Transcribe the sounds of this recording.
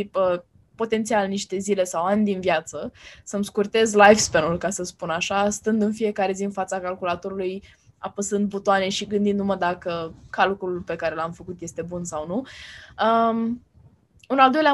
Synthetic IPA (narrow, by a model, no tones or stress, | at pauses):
ipə | po̞t̪e̞nt̪sialniʃt̪e̞zile̞sawanʲd̪invjat̪səsəmskurt̪e̞zlajfspenulkasəspunaʃast̪ənd̪ɨnfije̞kaɾe̞ziɨnfat̪sakalkulat̪o̞ɾuluj | apəsɨnt̪̚but̪oane̞ʃiɡɨnd̪ind̪uməd̪akəkalkululpe̞kaɾe̞lamfəkut̪je̞st̪e̞bunsawnuə | unald̪o̞jlea